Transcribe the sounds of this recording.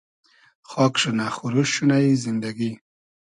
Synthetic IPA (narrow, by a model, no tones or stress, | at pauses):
xɔkʂunaxuɾuʃunaizɪnd̪aɡi